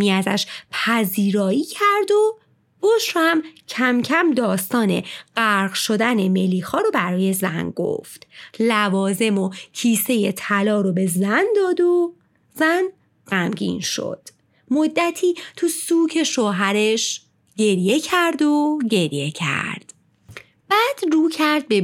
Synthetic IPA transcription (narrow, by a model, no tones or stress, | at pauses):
iːæzæ̰ʃpʰæziːɾɒːiːcʰæɾd̪o | boʃɾhæmcʰæmcʰæmd̪ɒːst̪ɒːne̞̰ɢ̥æɾɢʃo̞d̪æne̞me̞lːiːxɒːɾobæɾɒːje̞zænɡo̰ft̪lævɒːze̞mocʰiːse̞jet̪ʰælɒːɾobe̞zænd̪ɒːd̪o | z̥æn | ɢæmɡḭːnʃo̰d̪̥ | mod̪ːæt̪ʰiːt̪ʰusuːcʰe̞ʃoːɦæɾe̞ʃ | ɟe̞ɾje̞cʰæɾd̪oɟe̞ɾje̞cʰæ̰ɾd̪̥ | b̥æːd̪̥ruːcʰæɾd̪̚be